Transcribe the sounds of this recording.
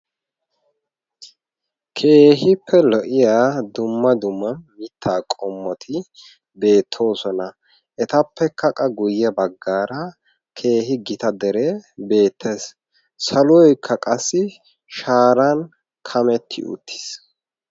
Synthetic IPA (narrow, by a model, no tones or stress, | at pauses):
kʰe̞ːɦɪpʰːɛlɔʔɪjaːd̪ʊmːɐd̪ʊmːɐnmɪt̪ʰːaːkʼɔmːɔt̪ʰɪ | be̞ːt̪ʰːo̞ːsɔnɐ | ʔɛt̪ɐpːɛkːɐkʼɐɡʊjːɛbɐɡːaːɾɐ | kʰe̞ːɦɪɡɪt̪ɐd̪ɛɾeːbe̞ːt̪ʰːeːs | sɐlʊɔjkʰːɐkʼɐsːɪ | ʃaːɾɐn | kʰɐmɛt̪ʰːɪ̰ʔʊ̰t̪ʰːɪ̥s